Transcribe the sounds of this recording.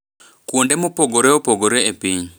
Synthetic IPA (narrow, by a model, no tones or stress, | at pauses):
kwondemopoɡoɾeopoɡoɾeepiɲ